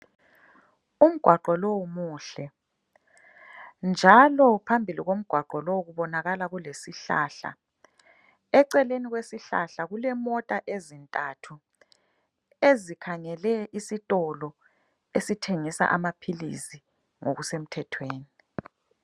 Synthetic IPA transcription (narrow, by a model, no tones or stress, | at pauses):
um̩ɡ̥ʱwaǃɔlowumuːɬɛ | nd͡ʒʱalɔpʰambʱiliɣom̩ɡ̥ʱwaɡ͡ǃʱɔlowɣuβɔnaɣalaɣulesiɬa̰ːɬa̰ | ɛǀɛleniɣwesiɬa̰ɬaɣulɛmɔtʼaʔezintʼatʰu | ezikʰaŋɛlɛisitʼɔlɔ | esitʰeŋisa̰ʔamapʰilḭsi | ŋo̰ɣusem̩tʰɛtʰweːni